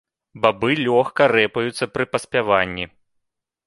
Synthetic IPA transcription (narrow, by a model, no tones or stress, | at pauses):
babɨlʲɔxkɐɾɛpɐjut̪sːɐpɾɨpɐsʲpʲavanʲːi